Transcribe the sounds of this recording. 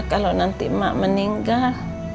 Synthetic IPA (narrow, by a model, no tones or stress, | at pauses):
kalonant̪ima̰ʔməniŋɡal